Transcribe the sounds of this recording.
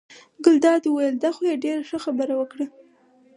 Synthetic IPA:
ɡʊld̪ɑd̪wajəld̪ɑxojeɖeɾaxəxabəɾawəkɽə

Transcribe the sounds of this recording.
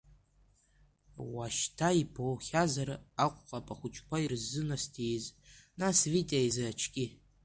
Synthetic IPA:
waʃtʰaipʰowχʲazaɾɨaqʷʼqʼapʼaχʷʊt͡ʃʰʼkʷʰairzːɨnastʰijznasvitʼeajzaat͡ʃʰkʲʼi

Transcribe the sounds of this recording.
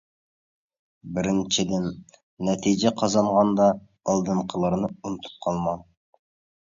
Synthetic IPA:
bɪɾɪnt͡ʃʰɪd̪ɪnː | ɛt̪ʰid͡ʒɛqʰɑzɑɴʁɑnd̪ɑː | lˠd̪ɤɴqʰəlˠɑɾnɨunt̪ʰu̥p̚qʰɑlˠmɑn

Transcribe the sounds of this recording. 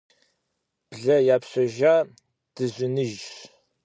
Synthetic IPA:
b̥ɮɐjaːpɕʷɐʒaː | d̥ɨzʷɪnɨʒ

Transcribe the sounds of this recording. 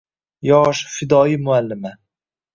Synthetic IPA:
jɒːʃfɪd̪ɒːimʊalːɪma

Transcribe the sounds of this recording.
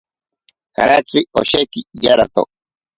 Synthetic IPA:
ka̰ɾat͡siɔ̰ʃɛkid͡ʒaɾat̪ɔ̰

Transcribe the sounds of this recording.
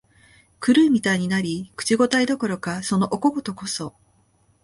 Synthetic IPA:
kɯ̟ɾɯ̟ːmʲit̪aiɲ̟inaɾʲikɯ̥t͡ɕiɡo̞t̪aid̪o̞ko̞ɾo̞kaso̞no̞ʔoko̞ɡot̪o̞ko̞so̞

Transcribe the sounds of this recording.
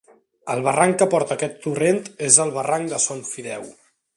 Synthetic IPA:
əlˠβəraŋkəpɔɾt̪əːkɛt̪ːurent̪ezəlˠβəraŋd̪əsonfiðɛw

